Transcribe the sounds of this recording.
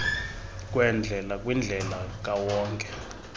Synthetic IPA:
k̬ʼwɛnd͡ɮʱɛlakʼwind͡ɮʱɛlak̬ʼawɔːŋkʼɛ̥

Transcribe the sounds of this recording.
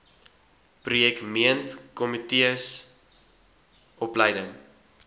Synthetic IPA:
prujɛkmiəntkɔmitiəs | ʔɔpləjdəŋ

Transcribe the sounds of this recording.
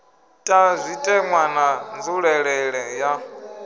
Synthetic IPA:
tʼazʷitʼɛŋwanand͡zuɺɛɺɛɺɛja

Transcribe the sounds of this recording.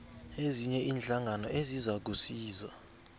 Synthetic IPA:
eziɲɛʔiːnɬaŋʱanɔʔezizak̬usiːza

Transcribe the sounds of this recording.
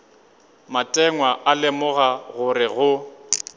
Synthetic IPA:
matʼɛŋwaʔalɪmʊɣaɣʊɾɪɣʊ

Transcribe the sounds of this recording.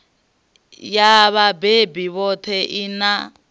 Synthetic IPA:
jaβabebiβɔt̪ʰɛʔina

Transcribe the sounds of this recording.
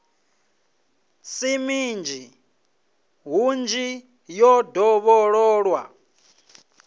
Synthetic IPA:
simind͡ʒʱi | ɦund͡ʒi | jɔdɔβɔɺɔːɺwa̰

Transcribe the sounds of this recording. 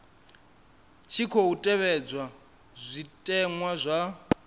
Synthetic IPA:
t͡ʃʰikʰoutʼɛβɛd͡zwa | zʷitʼɛŋwazʷa

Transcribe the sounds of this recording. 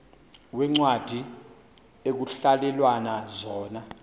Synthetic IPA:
wɛŋ͡ǀwad̥ʱi | ek̬uɬalɛlwanazɔːna

